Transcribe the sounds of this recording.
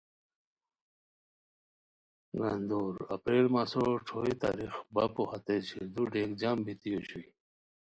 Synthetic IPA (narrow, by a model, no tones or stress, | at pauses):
ɡand̪oːɾɐ̰pɾeːlmaːsoʈ͡ʂʰoːit̪a̰ːɾixbapohat̪eɕid̪uɖeːkd͡ʑambit̪ijoɕui